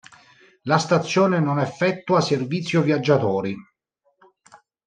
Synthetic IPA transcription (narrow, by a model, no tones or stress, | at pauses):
last̪at̪sːjɔːnenonɛfːɛt̪ːuaserviːt̪sːjovjad͡ʒːat̪ɔːɾi